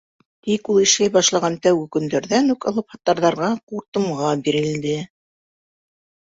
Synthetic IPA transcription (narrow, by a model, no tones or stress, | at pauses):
t̪ikulˠiʃlæjbɑʃlˠɑʁɑnt̪æwɡɘkɵ̆nd̪æɾðænʉkɑ̰lˠɤphɑt̪ːɑɾðɑɾʁɑquɾt̪ɤ̆mʁɑbiɾɘ̆ld̪ɘ